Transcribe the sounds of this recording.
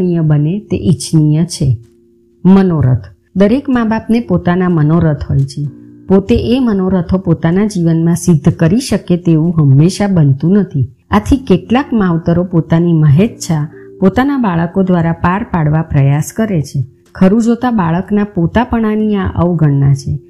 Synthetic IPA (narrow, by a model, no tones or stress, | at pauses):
nijəbənet̪ḛʔit͡ʃnijət͡ʃʰe | mənoɾə̰t̪ʰ | d̪əɾekmabapnepot̪anamənoɾət̪ʰɦojt͡ʃʰepot̪eʔemənoɾət̪ʰopot̪anad͡ʒiʋənmãsɪd̪ʱːkəɾiʃəket̪eũɦəmːeʃabənt̪ũnət̪ʰi | at̪ʰikeʈlakmaʋt̪əɾopot̪animəɦet̪t͡ʃʰa | pot̪anabaɭəkod̪ʋaɾapaɾpaɽʋapɾəjaskəɾet͡ʃʰe | kʰəɾũd͡ʒot̪abaɭəknapot̪apəɳ̃aniaʔəʋɡʱəɳːat͡ʃʰe